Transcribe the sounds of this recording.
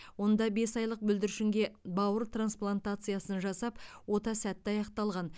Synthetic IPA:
wo̞nd̪ɑbe̞sɑjlˠəq̚bʏld̪ɪɾʃɪŋɡʲe̞bɑwəɾt̪ʰransplˠant̪at̪sɨjasənʒɑsɑpwo̞t̪ɑsæt̪ːɪɑjɑqt̪ɑlˠʁɑn

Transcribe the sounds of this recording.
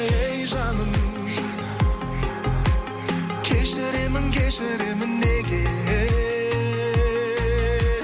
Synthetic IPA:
jʒɑnəm | kʲʰeʃɪɾemɪnkʲʰeʃɪɾemɪnːeɡʲe

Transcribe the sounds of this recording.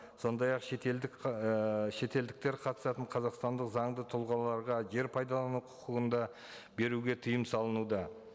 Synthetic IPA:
so̞nd̪ɑjɑqʃet̪eld̪ɪk | ʃe̞t̪e̞ld̪ɪk̚t̪e̞ɾqʰɑt̪əsɑt̪əɴqʰɑzɑqst̪ɑnd̪əqzɑɴd̪ət̪ʰʊlˠʁɑlˠɑɾʁɑʒe̞ɾpʰɑjd̪ɑlˠɑnuqʰʊ̥quʁənd̪ɑ | be̞ɾuɡʲe̞t̪ʰəjəmsɑlˠənud̪ɑ

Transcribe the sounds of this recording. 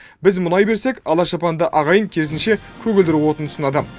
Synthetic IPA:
bɪzmʊnɑjbe̞ɾse̞kʲɑlˠɑʃɑpɑnd̪əʔɑʁɑjəŋkʲʰeɪsɪnʃe̞kʲʰɵɡʲɪld̪ɪɾwo̞t̪ənʰʊsənɑd̪ə

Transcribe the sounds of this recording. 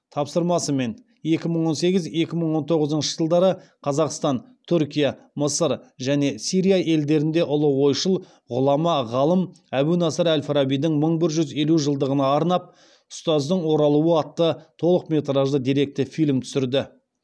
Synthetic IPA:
t̪ʰɑpsəɾmɑsəme̞n | je̞kʲɪməɴwo̞nse̞ɡʲɪze̞kʲɪməɴwo̞nt̪ʰo̞ʁəzənʃə̥ʒəlˠd̪ɑɾəqʰɑzɑqst̪ɑn | t̪ʰʏɾkʲijɑ | məsəɾʒæne̞sijɾijaʔe̞ld̪e̞ɾɪnd̪e̞ʔʊlˠəwo̞jʃəlˠ | ʁʊlˠɑmɑʁɑlˠəm | æbunɑsəɾælʲfɾɑbijd̪ɪŋməɴbɪɾʒʏze̞luʒəlˠd̪əʁənɑːɾnɑp̚ | ʊ̥st̪ɑzd̪əɴwo̞ɾɑlˠuwəɑt̪ːət̪ʰo̞lˠəqme̞t̪ɾɑʒd̪əd̪ijɾe̞k̚t̪ɪfijlmt̪ʰʏ̥sɪɾd̪ɪ

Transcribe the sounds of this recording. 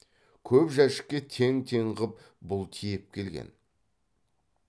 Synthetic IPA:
kʲʰɵpʒæʃɪ̥kʲːe̞t̪ʰeŋt̪ʰeɴʁəp̚ | bʊlˠt̪ʰijep̚kʲʰe̞lɡʲḛn

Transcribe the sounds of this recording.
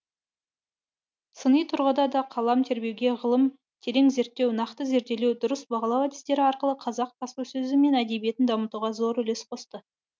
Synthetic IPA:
sənəjt̪ʰʊɾʁəd̪ɑd̪ɑqʰɑlˠɑmt̪ʰe̞ɾbe̞wɡʲe̞ʁəlˠəm | t̪ʰe̞ɾe̞ŋze̞ɾt̪ːe̞wnɑqt̪əze̞ɾt̪e̞lewd̪ʊɾəsbɑʁɑlˠɑwad̪ist̪e̞ɾɪɑɾqəlˠəqʰɑzɑq̚pʰɑspəsɵzɪme̞næd̪e̞bije̞t̪ɪnd̪ɑmət̪uʁɑzo̞ɾʏle̞sqʰo̞st̪ə

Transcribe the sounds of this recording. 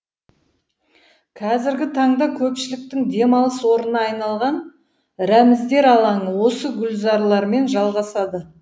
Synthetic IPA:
kʰɑzɪɾɡʲɪt̪ʰɑɴd̪ɑkʲʰɵpʃɪlɪk̚t̪ɪŋd̪e̞mɑlˠəswo̞ɾənɑɑjnɑlˠʁɑn | ɾæmɪzd̪e̞ɾɑlˠɑɴəwo̞səɡʲʏlzɑɾlˠɑɾme̞nʒɑlˠʁɑsɑd̪ə

